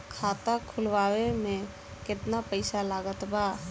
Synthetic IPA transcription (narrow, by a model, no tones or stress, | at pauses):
kʰaːt̪akʰʊlʋaːwemẽ | kɪt̪napəɪsalaːɡət̪baː